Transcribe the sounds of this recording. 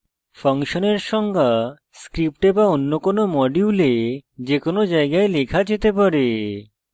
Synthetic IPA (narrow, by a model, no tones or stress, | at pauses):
faŋʃoneɾʃɔŋɡa | skɾip̚ʈebaonːokonomɔɖiuled͡ʑekonod͡ʑaeɡaelekʰad͡ʑet̪epaɾe